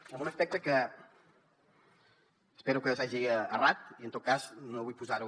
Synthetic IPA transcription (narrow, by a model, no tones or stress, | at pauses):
munəspɛk̚t̪əkə | speɾukəwzaʒiərat̪̚iənt̪ot̪̚kaznoβujpuzaɾu